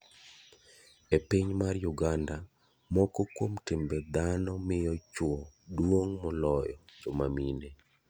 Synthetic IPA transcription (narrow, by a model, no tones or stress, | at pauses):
epiɲmarjuɡanda | mɔkɔkwomtɪmbɛd̪anɔmɪjɔt͡ʃwɔdwoŋmɔlɔjɔd͡ʒɔmamine